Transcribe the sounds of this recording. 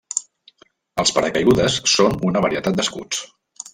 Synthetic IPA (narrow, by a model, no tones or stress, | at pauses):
əlˠspəɾəkəjɣuðəsːonunəβəɾiət̪at̪̚d̪əskṵt͡s